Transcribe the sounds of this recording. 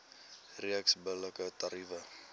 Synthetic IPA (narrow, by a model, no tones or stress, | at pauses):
riəksbələkət̪ɐɾivə